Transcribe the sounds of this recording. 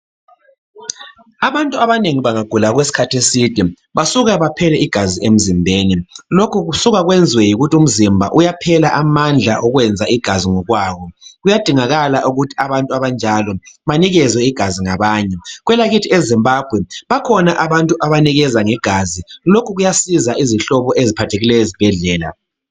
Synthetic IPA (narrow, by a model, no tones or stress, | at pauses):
aβantʼuaβaneŋiβaŋaɡ̥ʱulaɣwesi̥kʰatʰesid̥ʱi | βasuɣaβapʰɛlɛiɡ̥ʱaziem̩zimbʱeːnilokʰuɣusuɣaɣwɛnd͡zʱiwɛjiɣutʰium̩zimbʱa̰ʔujapʰɛlaʔamand͡ɮʱa̰ʔɔɣwɛnd͡zʱaiɡ̥ʱaziŋɔɣwaːβɔɣujad̥ʱiŋaɣalaʔuɣutʰi̥aβantʼuaβand͡ʒʱalɔβaniɣɛzwɛiɡ̥ʱaziŋaβaːɲɛɣwɛlaɣitʰiezimbʱaːb̥ʱwɛβakʰɔnaʔaβantʼuʔaβaniɣɛzaŋɛɡ̥ʱazilokʰuɣujasizaʔiziɬɔβɔʔezipʰatʰeɣilɛjɔzib̥ʱɛɮɛːla̰